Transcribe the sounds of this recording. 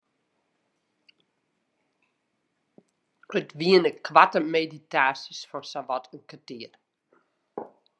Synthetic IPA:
ətʋiənəkʰʋatəmeditaːsisfɔrsaʋɔtʰənkətiər

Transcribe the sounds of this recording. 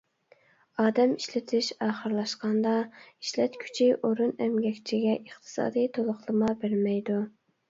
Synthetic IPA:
ɑːd̪ɛmiʃlɪt̪ʰɪʃɑːχəɾlˠɑʃqɑnd̪ɑi̥ʃlɛt̪kʲʰy̥t͡ʃʰiʔoɾunɛmɡʲɛkʲt͡ʃʰiɡʲɛʔəχt̪ʰɨ̥sɑ̰ːd̪ɨjt̪ʰolˠʊχlˠəmɑbɪɾmɛjd̪u

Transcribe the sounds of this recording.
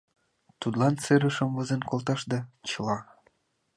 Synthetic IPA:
t̪ud̪lˠɑnseɾə̆ʃɤ̆mvɤ̆zenkolt̪ɑʃd̪ɑt͡ɕɤ̆lɑ

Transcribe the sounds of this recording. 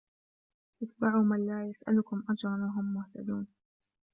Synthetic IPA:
ʔɪt̪baʕuːmanlaːjasʔa̰lʊkʊmʔad͡ʒɾˤɑnwaɦʊmːʊht̪ad̪uːn

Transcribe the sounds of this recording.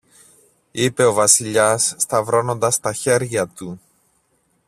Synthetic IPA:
ipe̞o̞vɐsiʎɐsːt̪ɐvɾo̞no̞nd̪ɐst̪ɐçe̞ɾʝɐt̪u

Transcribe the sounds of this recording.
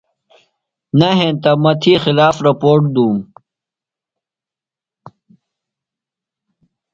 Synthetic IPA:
nɐɦent̪ɐmɐt̪ʰixilaːfɾɐpoːɾʈ̚d̪uːm

